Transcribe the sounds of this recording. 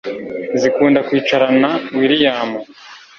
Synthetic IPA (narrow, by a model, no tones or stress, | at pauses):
zikuːndakwiːt͡ʃaɾanawiɾijaːmo